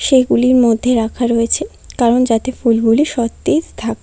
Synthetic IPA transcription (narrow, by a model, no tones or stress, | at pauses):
ʃeɡuliɾmod̪ʱːeɾakʰaɾoet͡ɕʰe | kaɾond͡ʑat̪efulɡuliʃɔt̪ːitt̪ʰak̚